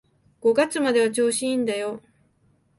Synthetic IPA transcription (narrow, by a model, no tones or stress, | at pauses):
ɡ̥o̞ɡat͡sɨmad̪e̞βat͡ɕo̞ːɕĩːnd̪ajo̞